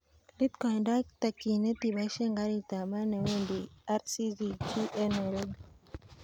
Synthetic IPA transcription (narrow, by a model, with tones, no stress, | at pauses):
li˦t̪kɔ˨nda˦k̚t̪a˨ki˨ne˦ti˨βa˨˦ʃɛ˦ŋɡa˦ɾi˦˨t̪a˨ma˦nɛ˨we˦˨ndi˨a˦ɾsi˦zi˦t͡ʃi˦ʔɛ˦nɛ˨lɔ˦d